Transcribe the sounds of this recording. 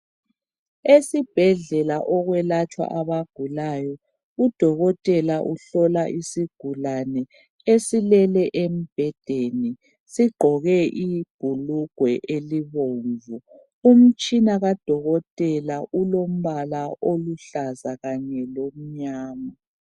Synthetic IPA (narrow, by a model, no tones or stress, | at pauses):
esib̥ʱɛɮɛlaʔɔɣwɛlat͡ʃʼwa̰ʔaβaɡ̥ʱulajɔ | ud̥ʱɔɣɔtʼɛlaʔuɬɔlaʔisiɡ̥ʱulanɛ | esilɛlɛʔem̩b̥ʱɛd̥ʱeni | siɡ͡ǃʱɔɣɛʔib̥ʱuluɡ̥ʱwɛʔeliβoɱvu | um̩t͡ʃʼinaɣad̥ʱɔɣɔtʼɛlaʔulom̩βalaʔoluɬazaɣaɲɛlom̩ɲaːma